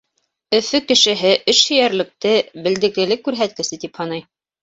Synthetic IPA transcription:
ɵ̆fɘkɘ̆ʃɘ̆ɦɘʔɵʃhɵ̆jæɾlɘ̆k̚t̪ɘbɘ̆ld̪ɘ̆klɘ̆lɘkːʉɾɦæt̪̚kɘ̆sɘt̪iphɑnɑj

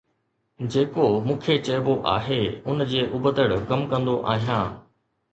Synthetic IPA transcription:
d͡ʑeːkomũːkʰet͡ɕɐːɪboʔa̰ːɦeʊnd͡ʑeːʔʊbəd̪əɽkɐmkɐ̃nd̪oʔa̰ːɦijãː

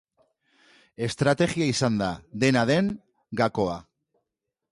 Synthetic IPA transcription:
e̞st̪ɾat̪e̞ɣiaisand̪aðe̞naðe̞ŋ | ɡako̞a

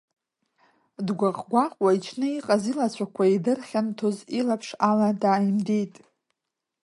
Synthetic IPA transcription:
dɡʷaqʼɡʷaqʷʼwait͡ʃʰnɨiqʼazilat͡ɕʷʰakʷʰaidɨrχʲantʰozilapʰʂaladaːjimdijtʼ

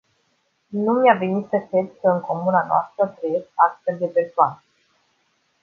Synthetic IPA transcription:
numeave̞nit̪səkɾe̞d̪kəɨŋko̞munanoa̰st̪ɾəvɾeekasfeld̪e̞pe̞rsoanə

